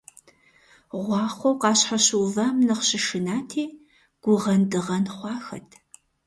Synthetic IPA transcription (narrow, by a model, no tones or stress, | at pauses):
ʁʷɑːχʷowqɑːɕħaɕuwvaːmnɐqɕɪʃɨnaːtʰiː | ɡ̥ʷʊʁɐndɨʁɐnχʷɑːxɐ̰tʰ